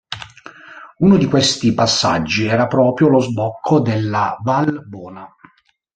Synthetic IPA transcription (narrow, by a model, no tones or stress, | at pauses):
unod̪ikwest̪ipasːa̰d͡ʒːiɛːɾapɾɔːpɾjolozbɔkʰːod̪elːavalbɔːna